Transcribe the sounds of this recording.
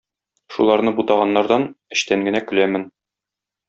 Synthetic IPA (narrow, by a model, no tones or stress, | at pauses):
ʃulˠɑɾnɤbut̪ɑʁɑnːɑɾd̪ɑnɘ̆ɕt̪æŋɡɘ̆nækɘ̆læmɘn